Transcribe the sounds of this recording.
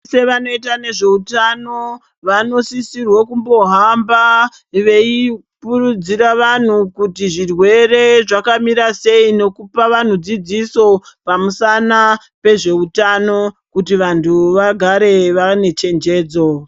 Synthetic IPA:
se̞ʋano̞it̬ane̞ʐe̞utano̞ | ʋano̞sisirwokumbo̞ɦamba | ʋe̞i | purud͡ziɾaʋan̤ukutiʐirwe̞re̞ʐakamiɾase̞ine̞kupaʋan̤ud͡zid͡ziso̞pamusana | pe̞ʐe̞utano̞ | kutiʋantʰuʋaɡʱaɾe̞ʋane̞t͡ʃe̞nd͡ʒe̞ːd͡zo̞

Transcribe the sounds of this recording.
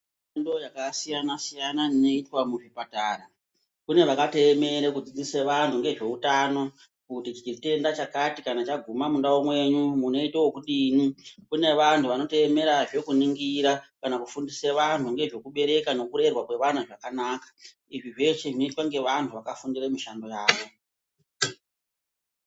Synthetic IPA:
endo̞jakasijanasijananino̞itwamuʐipataːɾa | kune̞ʋakate̞me̞ɾekud͡zid͡ziseʋantʰuŋɡe̞ʐe̞utano̞ | kutit͡ʃit͡ʃite̞ndat͡ʃakatikanat͡ʃaɡʱumamundawomwe̞ɲumuno̞iteokuɗinukune̞ʋantʰuʋano̞te̞eme̞ɾaʐe̞kuniŋɡiɾakanakufundiseʋantʰuŋɡe̞ʐe̞kuɓe̞ɾe̞kano̞kuɾe̞rwakwe̞ʋan̤uʐakanaːkḁ | iʐiʐe̞ʂeʐnoitwaŋɡe̞ʋantʰuʋakafundiremiʃando̞jaːʋo̞

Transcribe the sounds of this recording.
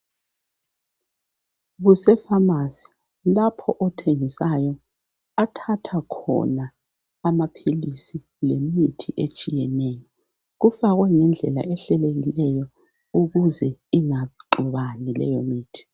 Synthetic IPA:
ɣusɛfamasi̥ | lapʰɔʔɔtʰeŋisajɔ | atʰatʰakʰɔ̰naː | mapʰelisi | lemitʰiʔet͡ʃʼijɛnɛjɔ | ɣufaɣwɛŋɛnd͡ɮʱɛla̰ʔɛɬɛleɣilɛjɔ | uɣuzɛiŋaβǃuβanilɛ̰jomiːtʰi̥

